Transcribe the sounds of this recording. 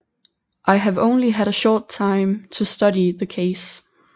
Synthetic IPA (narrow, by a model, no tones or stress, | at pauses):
ʔaɪɨvõ̰ʊ̃nliɨɾɨʃɔɹtʰãɪ̃mtʰəstʌɾiðɨkʰeɪs